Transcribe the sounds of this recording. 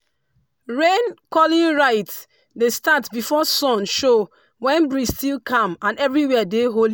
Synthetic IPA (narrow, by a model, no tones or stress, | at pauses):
ɹẽnkɔlĩɹaɪt | destatbifɔsɔ̃nʃo | wɛ̃nbɹistilkʰãmãnɛvɹiwɛdeɦoli